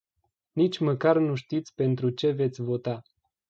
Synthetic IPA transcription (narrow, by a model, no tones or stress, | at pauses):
nit͡ʃʲməkarnuʃt̪it̪sʲpe̞nt̪ɾut͡ʃe̞ve̞t̪sʲvo̞t̪a